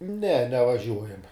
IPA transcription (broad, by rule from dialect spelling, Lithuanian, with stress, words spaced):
nʲɛ nʲɛʋɐˈʒʲuɔjɛmʲ